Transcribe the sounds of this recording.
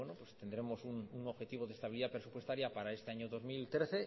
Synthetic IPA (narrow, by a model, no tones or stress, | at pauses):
enopwest̪e̞nd̪ɾe̞mo̞sunuŋoβxe̞t̪iβ̞oð̞est̪aβiliðapɾesupwest̪aɾjapaɾae̞st̪eaɲoðo̞zmilt̪ɾeθe